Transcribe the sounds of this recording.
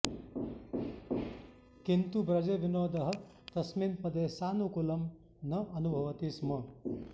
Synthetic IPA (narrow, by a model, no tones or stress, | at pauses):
kint̪ubɾɐd͡ʒeʋinoːd̪ɐɦɐ̆ | t̪ɐsminpɐd̪eːsaːnukulɐm | nɐʔɐnubʱɐʋɐt̪ismɐ